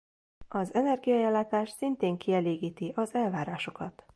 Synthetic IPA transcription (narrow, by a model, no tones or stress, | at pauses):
ɒzɛnɛrɡijɒɛlːaːt̪aːʃsint̪eːŋkiɛleːɡiːt̪iʔɒzɛlvaːɾaːʃo̞kɒt̪